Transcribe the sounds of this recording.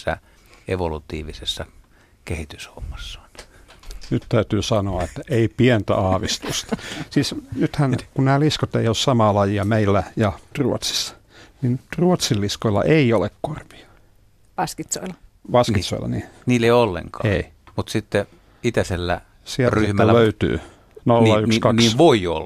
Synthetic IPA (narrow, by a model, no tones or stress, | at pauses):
sːæ̰ | eʋolut̪iːʋisesːɑ | kehit̪ysho̰mːɑsːɑ̥n | nyt̪t̪æyt̪yːsɑnoɑet̪ːæʔeipient̪æ̰ɑːʋist̪ust̪ɑ̥siːsnyt̪hænkunnæːliskot̪eiossɑmɑːlɑjiɑmeilːæjɑruot̪si̥sːɑ̥ | nint̪ruot̪silːiskoilːɑ̰ʔeiolekkorʋi̥ɑ̥ | ʋɑskit̪soilːɑ | ʋɑskit̪so̰ḭlːɑ̰niniːlːeiolːḛŋkɑei | mut̪sit̪ːe | it̪æselːæ̰ | siæryhmææløyt̪y̰ː | nolːɑykkskɑnkiːʋoio̰lː